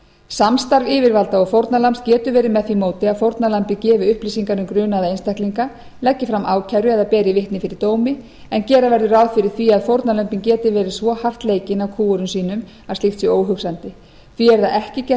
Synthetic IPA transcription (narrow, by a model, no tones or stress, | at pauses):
samst̪aɾvɪːvɪɾvalt̪aɔɣfowɾt̪nalamst̪cɛːt̪ʏvɛːɾɪmɛðθvimoːwt̪ɪaðfowɾt̪nalampɪcɛːvɪʏhplisiŋkanʏmkɾʏːnaðaejnst̪ahkliŋka | lɛcːɪfɾamʔaːwcʰaɥɾʏɛðapɛːɾɪvɪht̪nɪfɪɾɪɾt̪oːwmɪ | ɛncɛːɾavɛɾðʏɾaːwðfɪɾɪɾ̥θviaðfowɾt̪nalœmpiŋcɛːt̪ɪvɛːɾɪ̥svɔhar̥t̪leːjcɪnawkʰuːʏɾʏmsiːnʏm | ast̪ixht̪sjɛoːwɦʏksant̪ɪ | θviɛɾðaɛhcɪcɛ